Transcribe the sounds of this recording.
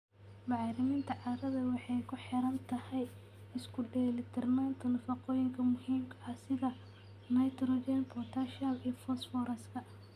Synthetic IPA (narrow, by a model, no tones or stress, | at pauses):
bɑʕɾɪmɪnt̪ʰɐʕɑɾɐðɐwɑħɑjkʰʊħɪɾɐnt̪ʰɐhɛj | ɪskʰʊɖɛlɪt̪ʰɐrmaːnt̪ʰɐnɐfɑqɔːjɪŋkʰɐmʊhiːmkʰɐʔɐhsɪðɐ | nɐjt̪ɾɔd͡ʒɛnpʰɔrt̪ʰaʃɐlijɔfɔsfɔɾɛskʰɐ